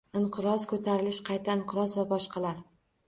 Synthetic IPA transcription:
ɪɴqʰɨɾɒzkʰɵt̪ʰaɾɪlɪʃqʰɑjt̪ʰaɪɴqʰɨɾɒzvabɒʃqʰɑlaɾ

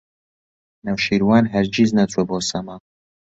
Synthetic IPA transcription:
nɐwʃiɾwaːnɦɛɾd͡ʒiznɐt͡sʼɛbosɐma

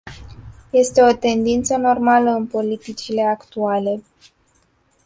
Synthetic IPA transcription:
je̞st̪e̞o̞t̪e̞nd̪int̪səno̞rmaləɨnpo̞lit̪it͡ʃile̞akt̪uale̞

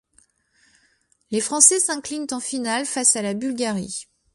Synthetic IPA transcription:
lefχɑ̃sɛsɛ̃klint̪ɑ̃finalfasalabylɡʲaʁḭ

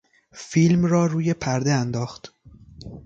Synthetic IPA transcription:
fiːlmrɒːɾuːje̞pʰæɾd̪eænd̪ɒːxt̪

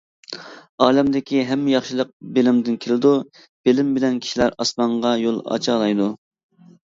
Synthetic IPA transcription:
ɑːlɛmd̪ɪkʲʰiɦɛmːɪjɑχʃilˠəq̚belɪmd̪ɪnkʲʰelɪd̪u | b̥elɪmbɪlɛnkʲʰi̥ʃilæɾɑsmɑɴʁɑjolˠɑ̰t͡ʃʰɑlˠɑjd̪u

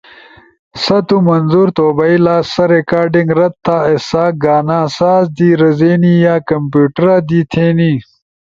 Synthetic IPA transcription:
sɐt̪umɐnzuɾt̪oːbɐilaːsɐɾekaːɾɖiŋɡɾɐt̪̚ʰːaːesaːɡaːnãːsaːzd̪iːɾɐzeːnijaːkɐmpjuːʈɐɾaːd̪it̪ʰeːni

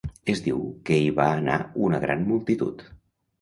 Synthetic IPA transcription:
ezd̪iwkeiβaəna̰unəɣ̞ɾanmulˠt̪it̪ṵt̪

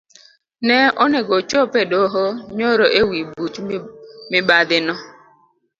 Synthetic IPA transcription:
nɛʔoneɡot͡ʃopedoɦoɲoɾoʔewibut͡ʃmɪbadɪnɔ

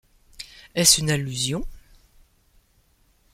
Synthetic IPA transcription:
ɛsynalyzjɔ̃

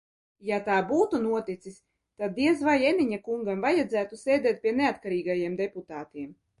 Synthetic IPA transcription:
jat̪aːbuːt̪unuɔt̪it̪sis | t̪ad̪̚ːiɛzvajɛniɲakuŋɡamvajad̪zæːt̪usɛːd̪ɛːt̪̚pʲiɛneat̪kaɾiːɡajiɛmd̪eput̪aːt̪iɛm

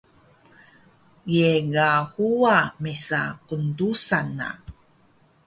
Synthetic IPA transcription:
jeɡahuamesa̰kundusana̰

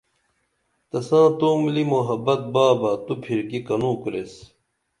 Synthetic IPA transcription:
t̪ɐsãːt̪oːmlimoɦɐbɐt̪̚baːbɐt̪upʰiɾkikɐnũːkuɾes

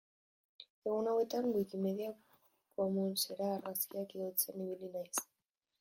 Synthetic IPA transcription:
e̞ɣunawe̞t̪aŋɡwikime̞ðiak | komunseɾaːrɣaskiakiðot͡seniβilinajs

